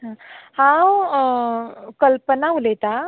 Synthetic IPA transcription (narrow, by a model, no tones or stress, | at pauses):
ɦãhã | kəlpənaulet̪a